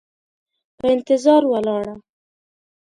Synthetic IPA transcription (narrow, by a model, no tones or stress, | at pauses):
pəɪnt̪ɪzɑɾwalɑɽa